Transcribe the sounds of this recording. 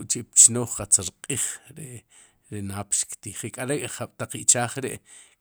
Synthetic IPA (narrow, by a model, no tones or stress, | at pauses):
ʔt͡ʃept͡ʃnoːχqat͡saɾqʼiːχɾe | ɾenaːpʃkt̪iːχekʼaɾekʼχaɓ̥t̪aq͡χiʔt͡ʃaːχɾeʔ